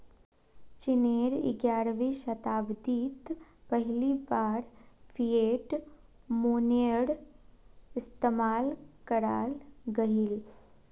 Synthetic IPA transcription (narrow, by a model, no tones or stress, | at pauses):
t͡ʃɪneːɾɪ̰ɡjaːɾʋiːʃɐt̪aːbd̪iːt̪pəɦlibaːɾpʰieːʈ | moːnəɽ | ɪst̪emaːlkəɾa̰ːlɡəɦil